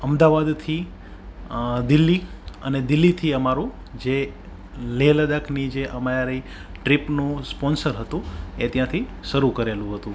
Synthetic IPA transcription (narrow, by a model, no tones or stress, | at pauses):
əmd̪aʋad̪t̪ʰi | d̪ɪlːiəned̪ɪlːit̪ʰiəmaɾũ | d͡ʒe | leləd̪akʰnid͡ʒeʔəmaaɾi | ʈɾipnũspɔnsəɾɦət̪ũet̪jãt̪ʰiʃəɾukəɾelũɦət̪ũ